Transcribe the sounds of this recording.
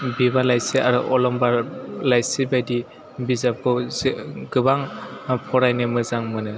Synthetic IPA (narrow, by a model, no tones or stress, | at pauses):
biβalajsiaɾɯʔɔlɔmbaɾlajsibajdi | bizap̚kɔ | ɡɯbaŋpʰɔɾajnɯmɯzaŋmɯnɯ